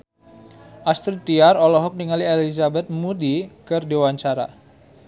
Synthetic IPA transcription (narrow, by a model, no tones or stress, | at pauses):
ʔast̪ɾit̪iaɾɔlɔɦɔk̚niŋalielizabɛt̪̚mudikərdewaɲt͡ʃaɾa̰